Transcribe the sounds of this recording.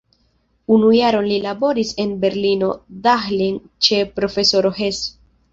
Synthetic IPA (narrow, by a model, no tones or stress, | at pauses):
unujaɾo̞nlilabo̞ɾise̞nbe̞ɾlino̞daxlin | t͡ʃe̞pɾo̞fe̞so̞ɾo̞ɦe̞s